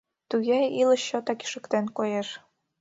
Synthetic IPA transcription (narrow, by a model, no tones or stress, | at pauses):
t̪uɣejilə̆ɕːot̪ɑki̥ʃə̆kt̪enkojeʃ